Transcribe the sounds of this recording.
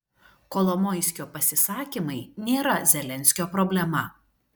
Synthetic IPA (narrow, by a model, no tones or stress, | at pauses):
kɔlˠɔmɔɪsʲkʲoːpɐsʲɪsɑːkʲimɐɪnʲeːɾɐzʲɛlʲɛnʲsʲkʲoːpɾɔbʲlʲɛmɐ